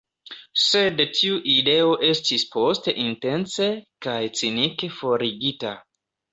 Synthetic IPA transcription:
se̞dtʰiuʔide̞o̞ʔe̞stispo̞ste̞ʔinte̞nsekajt͡sinike̞fo̞ɾiɡita

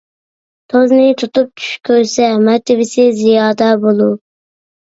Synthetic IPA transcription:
t̪ʰoznɪt̪ʰut̪up̚t͡ʃʰy̥ʃkʲʰøɾsɛmɛɾt̪ʰɪvɪsɪzijɑːd̪ɛbolˠu

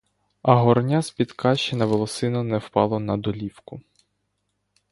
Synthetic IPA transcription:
ɐɦɔrnʲaspʲid̪kʰɑʃt͡ʃenɐʋɔlˠɔsɪnɔnɛwpɑlˠɔnɐd̪ɔlʲiwkʊ

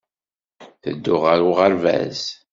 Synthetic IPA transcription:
θə̰d̪ːʊʁəɾʊʁəɾvæ̰z

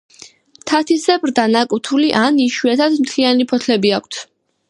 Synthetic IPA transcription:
t̪ʰat̪ʰisɛbɾd̪anakʼut̪ʰuliʔaniʃwɛt̪ʰad̪mt̪ʰlianipʰɔt̪ʰlɛbiakʷʰt̪ʰ

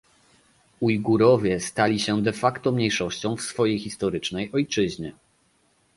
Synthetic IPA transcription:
ujɡuɾɔvʲjɛst̪alʲiɕɛd̪ɛfakt̪ɔmɲejʂɔɕt͡ɕɔ̃w̃fsfɔjejxʲist̪ɔɾɘt͡ʂnɛjɔjt͡ʂɘʑɲɛ

